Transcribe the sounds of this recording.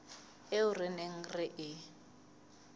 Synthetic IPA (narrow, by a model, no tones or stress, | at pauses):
ɪʊrɪneŋ̩rɪʔɪ